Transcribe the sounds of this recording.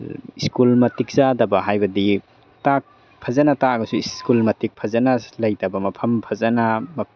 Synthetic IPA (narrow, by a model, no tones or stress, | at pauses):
iskulmɐtik̚zadɐbɐɦajbɐdi | tak̚ | pʰazanataɡɐsuiskulmɐtik̚pʰɐzanalajtabɐmɐpʰɐmpʰɐzanamɐ